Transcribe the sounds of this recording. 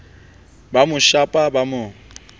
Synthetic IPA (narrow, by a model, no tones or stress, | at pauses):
bamʊʃapʼabamʊ